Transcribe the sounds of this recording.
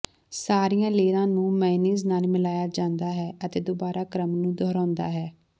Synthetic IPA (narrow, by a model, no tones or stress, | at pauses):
saːɾijãːleːɾãːnũːmɛːniːznaːlmɪlaːjaːd͡ʒãːnd̪aːɦɛːʔət̪eːd̪oːbaːɾaːkɾəmnũːd̪ʱɔːɾãːnd̪a̰ːɦɛː